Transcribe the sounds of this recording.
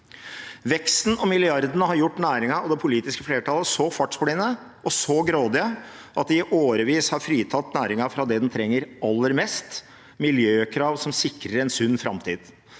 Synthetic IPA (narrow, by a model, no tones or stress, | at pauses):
ʋɛkst̪n̩ɔmɪlɪɑɾd̪ənəɦɑɾjʊʈːnæːɾɪŋɑɔd̪ɛpʰʊliːt̪ɪskəfleːʈʰɑləsɔfɑʈsfʊɽɪːnə | ʔɔsɔɡɾoːd̪ɪə | ʔɑt̪̚d̪ɪʔoːɾəʋiːshɑɾfɾiːt̪ʰɑt̪næːɾɪŋɑfɾɑd̪ɛd̪ɛnt̪ʰɾɛŋːəɾɑlːəɾmɛst̪ | mɪljøːkʰɾɑːʋsɔmsɪkːɾəɾɛnsʉnːfɾɑ̰mt̪ʰḭːd̪